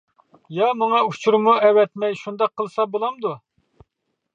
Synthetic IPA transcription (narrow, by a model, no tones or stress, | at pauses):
jɑmɑŋɑut͡ʃʰuɾmuɛwɛt̪mɛjʃund̪ɑqʰːəlˠsɑbolˠɑmd̪u